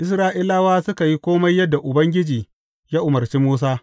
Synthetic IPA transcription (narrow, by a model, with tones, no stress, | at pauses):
ʔɪ˦s̬ɾaː˦ʔɪ˦laː˦waː˦sʊ˦ka˨ji˦kʷoː˦mɐ˦jːɐ˦dːa˨ʔʊ˨bɐ˦ŋɡʲɪ˦d͡ʒiː˨ | jaː˦ʔʊ˨mɐ˨rt͡ʃiː˦muː˦s̬aː˦